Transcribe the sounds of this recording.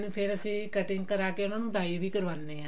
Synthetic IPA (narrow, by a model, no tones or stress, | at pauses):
nːpʰɪɾəsĩːkəʈɪŋɡkəɾaːʈjãnãːnũːd̪aːiʋiːkəɾʋaːnːeːãː